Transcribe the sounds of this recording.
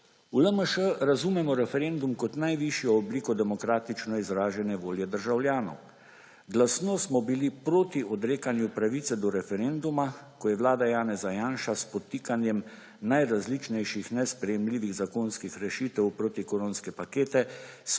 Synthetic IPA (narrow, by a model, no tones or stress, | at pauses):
uləməʃəɾazumɛmɔɾɛfɛɾend̪umkɔt̪najʋiʃjɔːbliːkɔd̪ɛmɔkɾaːt̪it͡ʃnɔizɾaːʒɛnɛʋoːljɛd̪əɾʒawlʲjaːnɔw | ɡlasnɔsmɔbilipɾoːt̪iɔd̪ɾeːkanjupɾaʋit̪sɛd̪ɔɾɛfɛɾeːnd̪umakɔjɛʋlaːd̪ajaːnɛzajaːnʃaspɔt̪iːkanjɛm | najɾazlit͡ʃnɛjʃixnɛspɾɛjɛmliːʋiɣzakonskixɾɛʃiːt̪ɛwpɾoːt̪ikoɾonskɛpakeːt̪ɛs